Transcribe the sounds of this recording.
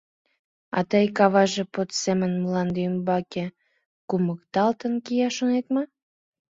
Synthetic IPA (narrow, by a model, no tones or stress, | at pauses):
ɑ̰t̪əjkɑβɑʒepot̪semənməlɑnd̪eəmbɑke | kuməkt̪ɑlt̪ənkijɑʃonet̪mɑ